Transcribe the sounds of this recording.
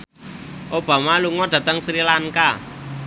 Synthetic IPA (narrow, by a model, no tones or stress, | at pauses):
ʔob̥ä̤maluŋɔɖ̥ä̤t̪əŋsɾilaŋka